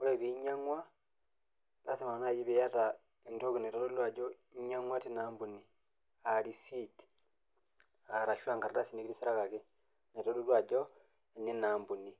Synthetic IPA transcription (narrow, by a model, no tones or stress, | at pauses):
uleβiɲaŋwa | lasimanajiβejata | entokunetolulwad͡ʒo | iɲaŋwatinaːmbuni | alisiti̥ | aɾaʃwaŋɡaɾalasinikiɾisiɾakake | netolulwad͡ʒo | enenaːmbuni